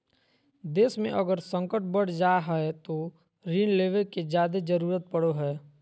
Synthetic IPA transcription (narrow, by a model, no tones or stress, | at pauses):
d̪eːsmḛ̃ʔəɡəɾsə̃ŋkəʈ̚bəɽ̤d͡ʒaːɦɛet̪o | ɾiːnleːʋeked͡ʒjaːd̪ed͡ʒəɾuːɾət̪̚pəɽoɦɛː